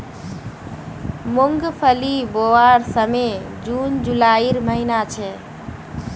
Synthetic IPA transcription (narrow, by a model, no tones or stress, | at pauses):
muŋɡpʰəlibowaɾsəme | d͡ʒund͡ʒulaiɾməɦinat͡ʃʰɛ